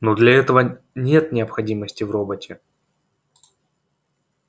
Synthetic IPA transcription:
nod̪lʲɐɛt̪əvə | nʲe̞t̪nʲɪəpxɐdʲiməsʲtʲɪvro̞bətʲɪ

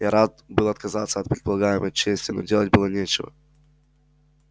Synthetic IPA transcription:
jaɾat̪̚bɨlˠɐt̪kɐzat̪səɐt̪̚pɾʲɪt̪̚pəlˠɐɡajɪməjt͡ɕesʲtʲɪno̰dʲelˠət̚ʲbɨlˠənʲet͡ɕɪvə̰

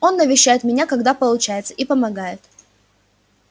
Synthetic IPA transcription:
o̞nːəvʲɪɕːæjɪt̪mʲɪnʲakɐɡd̪apəlˠʊt͡ɕæjɪt̪səʔipəmɐɡajɪt̪

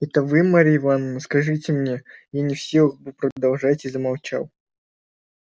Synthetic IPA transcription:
ɛt̪əvɨmaɾʲɪɪvanənəskɐʐɨtʲɪmnʲejanʲɪfsʲilˠɨxbɨpɾəd̪ɐlˠʐatʲizəmalˠt͡ɕa̰lˠ

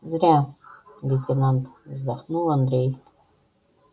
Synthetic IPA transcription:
zrʲalʲitʲʰʼenantʰʼzdaχnuland̪rej

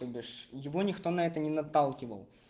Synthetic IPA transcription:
obʲɪʂjɪvonʲɪxt̪onɐɛt̪ənʲɪnɐt̪alˠkʲɪvə̰lˠ

